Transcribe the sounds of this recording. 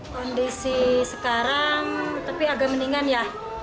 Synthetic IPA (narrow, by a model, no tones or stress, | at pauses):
kɔndisisəkaɾaŋt̪apiaɡaʔməniŋanja